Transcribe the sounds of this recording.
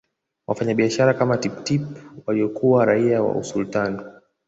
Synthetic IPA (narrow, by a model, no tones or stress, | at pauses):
wʔafaɲaɓiaʃaɾakamatiptipwaliɔkuwaɾaiawa̰usultani